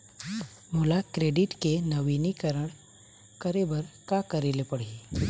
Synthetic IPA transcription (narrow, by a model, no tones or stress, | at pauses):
moːlakɾeːɖɪʈkenɐʋiːnikɐɾəɽ | kɐɾebəɾkakɐɾeːlepɐɽi